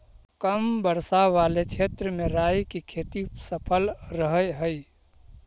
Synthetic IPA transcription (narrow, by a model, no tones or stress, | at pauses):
kəmbəɾsaʋalet͡ʃʰet̪ɾəmeɾajkikʰet̪isəpʰəlɾəɦəjɦəj